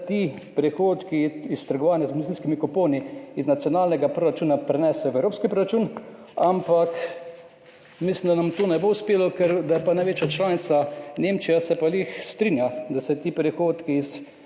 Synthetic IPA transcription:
t̪i | pɾɛxoːt̪kiist̪əɾɡɔʋaːnjazmed̪it̪inskimikɔpoːniiznat̪sjɔnaːlnɛɡapɾoɾat͡ʃuːnapɾɛnɛːsɛjɔʋɛwɾoːpskipɾoɾat͡ʃuːn | ampak | mislimd̪anamt̪oːnɛboʊspeːlɔkɛɾd̪apanajʋeːt͡ʃjat͡ʃlaːnit̪saneːmt͡ʃijasɛpalixst̪ɾinjad̪asɛt̪iːpɾixoːt̪kiːs

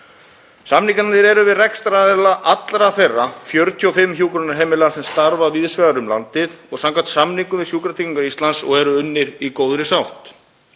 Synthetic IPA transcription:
samniŋkanant̪ɪɾɛɾʏvɪðrɛkst̪ɾaðɛlaʔat̪lɾaθejrːafjœɾt̪ʰjʏɔfɪmːçjuːkɾɔnaɾɦɛːmɪlaasɛmst̪aɾvaviðsvɛɣaɾʏmla̰nt̪ɪðɔɣsamŋkʰvat̪samniŋkʏmvɪsjuːkɾat̪ʰiciŋkaɾist̪lansɔ̰ɣɛɾʏʏnːɪɾikoːwðɾɪsawht̪

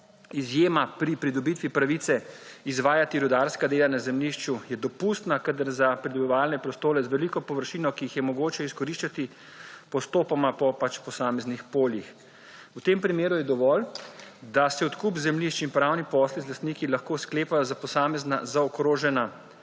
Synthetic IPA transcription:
izjeːmapɾipɾid̪ɔbit̪ʋipɾaʋiːt̪sɛizʋaːjat̪iɾud̪aɾskad̪eːlanazɛmliʃt͡ʃujɛd̪ɔpust̪nakad̪əɾzapɾid̪ɔbiʋaːlnɛpɾɔst̪oːɾɛzʋɛlikɔpɔʋəɾʃiːnɔkijixjɛmɔɡoːt͡ʃɛiskɔɾiʃt͡ʃat̪i | pɔst̪oːpamapɔpat͡ʃpɔsaːmɛznixpoːljix | wt̪empɾimeːɾujɛd̪ɔʋɔːld̪asɛɔt̪kupzɛmliʃt͡ʃinpɾawnipɔslizlast̪niːkilaxkoːskleːpajɔzapɔsaːmɛznazaɔkɾoːʒɛna

